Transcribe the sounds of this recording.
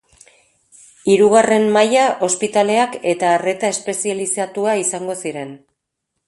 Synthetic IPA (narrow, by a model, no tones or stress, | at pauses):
iɾuɣ̞are̞mmajaʔo̞spit̪ale̞ake̞t̪aːre̞t̪ae̞spe̞sialisat̪uaisaŋɡo̞siɾe̞n